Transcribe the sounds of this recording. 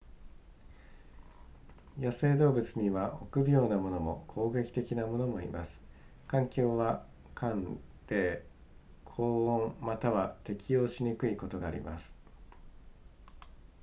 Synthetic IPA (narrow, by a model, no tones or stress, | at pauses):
jose̞ːd̪o̞ːbɯ̟t͡sɨɲ̟iβaʔo̞kɯ̟bʲo̞ːnamo̞no̞mo̞̰kʰo̞ːɡe̞kʲi̥t̪e̞kʲinamo̞no̞mo̞ḭmasɨ̥ | kãŋkʲo̞ːβa | kʰãn | d̪̥e̞ | kʰoːõɴmat̪aβat̪e̞kʲijo̞ːɕiɲ̟ikɯ̟iko̞t̪o̞ɡaːɾʲḭma̰sɨ̥